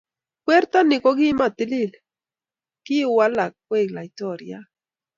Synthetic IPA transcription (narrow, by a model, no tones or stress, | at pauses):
kweɾt̪anikoɡimat̪ilil | kiuwalakweɡlait̪oɾja